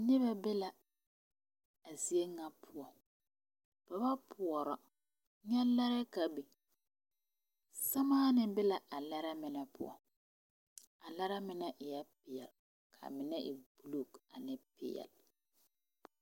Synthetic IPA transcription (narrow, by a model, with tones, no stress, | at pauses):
nɪ˦βɛ˦bɪ˦la˨ | a˨si˦e˦ŋa˦pʰʊ˦ɔ˨ | b̥a˨ba˦pʰʊ˨ɔ˨ɾɔ˨ | ɲɛ˦la˦ɾɛ˦ka˨bi˨ | sa˦maː˦nɪ˦bɪ˦la˨a˨la˦ɾɛ˦mɪ˨nɛ˦pʊ̰˦ɔ̰˨ | a˨la˦ɾɛ˦mɪ˦nɛ˦ʔɪ˨jɛ˦pɪ˨jɛ˨l | kʰa̰˨mɪ˨nɛ˦ʔɪ˨bu˨lu˦˨ka˨nɪ˦pɪ̰˨jɛ̰˨l